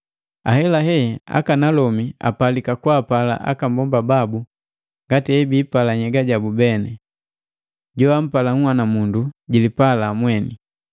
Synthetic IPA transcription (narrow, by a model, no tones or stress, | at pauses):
a̰hɛlaɦɛa̰kanalɔmia̰palikakwaːpala̰ʔa̰kambɔmbababu | ŋɡatiɛbiːpalaɲɛɡaɟabubɛnɛ | ɟɔam̩palaŋ̩hwanamunduɟilipalamwɛni